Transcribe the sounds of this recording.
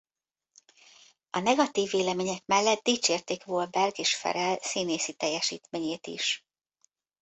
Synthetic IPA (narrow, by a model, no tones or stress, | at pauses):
ɒnɛɡɒt̪iːvːeːlɛmeːɲɛkmɛlːɛt̪̚d̪iːt͡ʃeːrt̪eːkʋold̪̚bɛrɡeːʃfɛ̰ɾɛlsiːneːsit̪ɛjːɛʃḭːt̪meːɲeːt̪ḭʃ